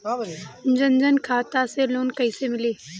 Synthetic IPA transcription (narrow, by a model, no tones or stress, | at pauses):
d͡ʒɐnd͡ʒənkʰaːt̪aseloːnkɐisemɪleː